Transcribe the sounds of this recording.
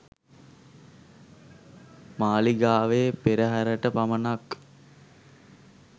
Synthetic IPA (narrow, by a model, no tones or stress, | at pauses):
maːliɡaːʋeːpeɾəɦæɾəʈəpamənak